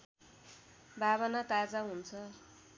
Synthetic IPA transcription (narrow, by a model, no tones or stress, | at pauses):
baβanat̪ad͡zaɦunt͡sʰʌ